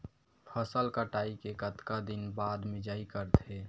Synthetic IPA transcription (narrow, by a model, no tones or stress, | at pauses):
pʰəsəlkəʈaːikekət̪kad̪ɪnbaːd̪mɪd͡ʒaːikəɾt̪ʰe